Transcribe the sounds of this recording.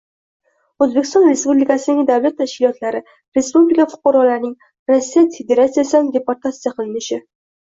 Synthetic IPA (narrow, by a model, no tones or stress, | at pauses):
ɵzbekʲɪst̪ɔnɾe̞spublɪkasɪd̪ɪd̪avlat̪ʰːaʃkʲɪlɒt̪laɾɪ | ɾe̞spublɪkafʊ̥qɑɾɒlaɾnɪŋ | ɾasːijat̪fed̪e̞ɾat̪sijasɪand̪e̞poɾt̪ʰat̪sijaqʰɨlɪnɪʃɪ